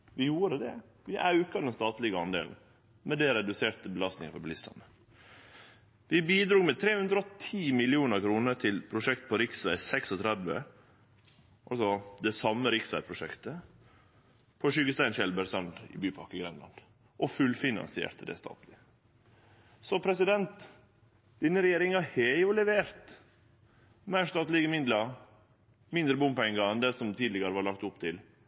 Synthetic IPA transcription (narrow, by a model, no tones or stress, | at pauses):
ʋɪjuːɾəd̪ɛ̰ | ʋɪʔɑʉkɑd̪ɛnst̪ɑːt̪lɪɡəɑnd̪ḛːln̩ | mɛd̪ɛɾɛd̪ʉseːɾt̪əbəlɑst̪ɪŋəfɔɾblɪst̪ɑ̰nə | ʋɪbiːd̪ɾuːɡmɛt̪ʰɾeːhʉnd̪ɾɑɔt̪ʰiːmɪlɪuːnəɾkʰɾuːnəɾt̪ʰɪlpʰɾʊʂɛkt̪̚pʰɔɾɪksʋæɪsɛksɔt̪ʰɾɛd̪ʋə̰ | ʔɑlsɔd̪ɛsɑmːəɾɪksʋæɪpʰɾʊʂɛkt̪ə | pʰɔʃʏɡəst̪æɪnʃɛlbəɾsœnd̪ɪ̰byːpʰɑɾkəɡɾɛnlɑ̰n | ʔɔfʉlfɪnɑ̰nsɪḛːɾt̪əd̪ɛ̰st̪ɑ̰ːt̪lɪ | sɔpʰɾɛsɪd̪ɛnt̪ | d̪̥ɪnːəɾɛjeːɾɪŋəɑheːjʊlɛʋeːɾt̪ | mæɪʂt̪ɑːt̪lɪɡəmɪd̪lə | mɪnd̪ɾəbʊmpɛŋɡɑɛnd̪ɛsɔmt̪ʰiːd̪lɪɡəɾəʋɑɾɭɑk̚t̪ʊpt̪ʰɪl